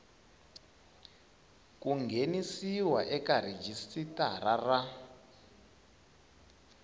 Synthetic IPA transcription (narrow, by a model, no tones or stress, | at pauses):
kuŋɡenisiwaʔɛkarid͡ʒistitarara